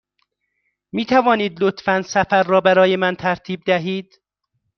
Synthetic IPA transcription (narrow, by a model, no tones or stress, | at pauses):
miːt̪ʰævɒːniːd̪lot̪fænsæfæɾːɒːbæɾɒːjemænt̪ʰæɾt̪ʰiːb̚d̪æɦiːd̪̥